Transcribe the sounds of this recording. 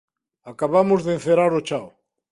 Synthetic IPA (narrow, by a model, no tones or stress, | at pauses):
akaβamʊzðen̟θeɾaɾot͡ʃaw